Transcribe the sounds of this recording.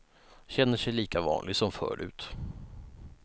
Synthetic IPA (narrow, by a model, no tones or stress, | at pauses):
ɕɛnːəʂɛjliːkavɑ̰ːnlɪɡsɔmfœ̰ːɾʉ̟̰ːt̪